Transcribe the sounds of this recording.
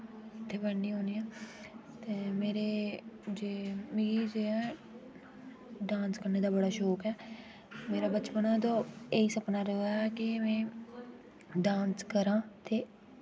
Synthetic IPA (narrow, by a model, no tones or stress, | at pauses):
ɪt̪ʰːeːbənːiːɦõːniːaː | t̪eːmeːɾeːd͡ʒeːmɪɡiːd͡ʒeːɛː | ɖãːnskəɾneːd̪aːbəɽaːʃoːkɛː | meːɾaːbət͡ʃpənãːt̪õːeːiːsəpnaːɾəaːɛkɪmɛ̃ː | ɖãːnskəɾãːt̪eː